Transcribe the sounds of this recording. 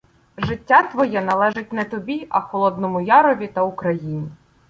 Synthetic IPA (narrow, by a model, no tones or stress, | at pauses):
ʒɪtʲːat̪ʋɔjɛnɐlˠɛʒɪt̚ʲnɛt̪ɔbʲiʔɐxɔlˠɔd̪nɔmʊjɑɾɔʋʲit̪ɐʊkɾɐjinʲi